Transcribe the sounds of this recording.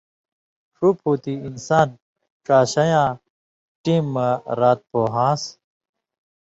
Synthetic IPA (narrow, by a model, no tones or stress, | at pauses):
ʂuphoːt̪iinsaːn | ʈ͡ʂaːɕɐjãː | ʈiːmːɐɾaːt̪̚poːɦãːs